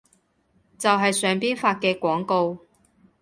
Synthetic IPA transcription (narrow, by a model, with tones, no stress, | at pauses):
t͡sɐ˨wɦɐ˨jsœː˨˧ŋpiː˥nfaː˧t̚kɛː˧kʷɔː˨˥ŋko˧w